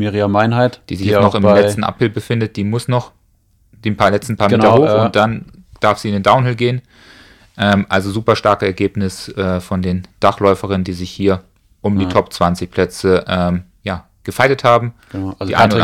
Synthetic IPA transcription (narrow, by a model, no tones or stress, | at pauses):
meʁiamaɪnɦaɪtd̥iːzɪçjɛnɔχɪmlɛt͡stn̩ʔa̰pʁ̥ɪlbəfɪndət̚d̥iːmʊsnɔχ | d̥eːnpʰaɐlɛt͡stn̩pʰaɐmeːtɐhoːxʊt̚d̥and̥aɐfz̥iːɪndeːndaʊnhɛlɡeːən | ʔɛːmʔalzozuːpɐʃtaɐkəɛɐɡeːpnɪsʔɛːfɔndeːnd̥aχlɔʏfəʁɪnəndiːzɪçhiːɐ | ʔʊmdiːtʰɔp̚t͡sv̥ant͡sɪçpʰl̥ɛt͡səʔɛːmjaː | ɡ̥əfaɪtəthaːbm̩ | diːʔa̰ɪnʊ